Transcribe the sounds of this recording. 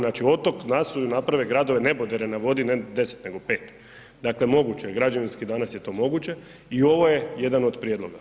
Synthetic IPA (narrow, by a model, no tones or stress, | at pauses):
naːt͡ʃio̞t̪o̞knasujunapɾaʋeɡɾad̪o̞ʋenebod̪eɾenaʋo̞d̪ined̪e̞se̥t̪ne̞ɡo̞pe̞ːt̪ | d̪aklemo̞ɡut͡ɕeɡɾad͡ʒaʋinskid̪anasjet̪o̞ːmo̞ɡut͡ɕe̞ | io̞ʋo̞je̞je̞d̪ano̞d̪pɾijed̪lo̞ɡa